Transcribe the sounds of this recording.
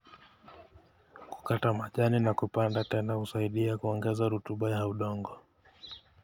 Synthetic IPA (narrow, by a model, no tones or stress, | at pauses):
ku̥katamaʄaninakupandatɛnahusaiɗiakuɔŋɡɛzaɾutuɓajauɗɔŋɡɔ